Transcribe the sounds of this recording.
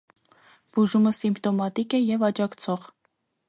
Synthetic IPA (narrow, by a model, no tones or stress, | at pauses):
b̥uʒuməsimpʰt̪ɔmɑt̪ikɛjɛvɑt͡ʃɑkt͡sʰɔʁ